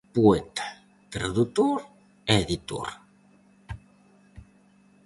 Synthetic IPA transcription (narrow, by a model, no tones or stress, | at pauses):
pwet̪ḁ | t̪ɾaðut̪oɾ | eðit̪wa̰ɾ